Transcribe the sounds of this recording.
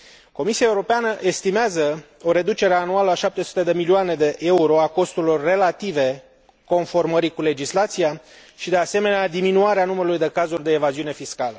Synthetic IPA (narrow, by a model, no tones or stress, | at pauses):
ko̞misiaeuɾo̞peanəʔe̞st̪imeazə | o̞ɾe̞d̪ut͡ʃe̞ɾe̞anualəaʃap̚t̪e̞su̥t̪e̞d̪e̞milioane̞d̪e̞ʔe̞uɾo̞ako̞st̪uɾilo̞rːe̞lat̪ive̞ | ko̞nfo̞rməɾikule̞d͡ʒislat̪sija | ʃid̪e̞ase̞me̞nead̪iminuaɾeanuməɾulujd̪e̞kazurʲd̪e̞ːvaziune̞fiskalə